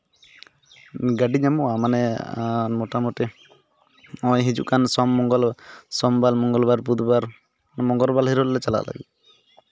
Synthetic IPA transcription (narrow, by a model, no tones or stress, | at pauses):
ɡaɖiɲamuamanɛ | mɔʈamɔʈe | ɔjɦid͡ʒṵkansɔmːɔŋɡɔlsɔmbalmɔŋɡɔlbaɾbud̪baɾ | mɔŋɡɔɾbalɦiɾɔlːɛt͡ʃala̰la̰ɡḭ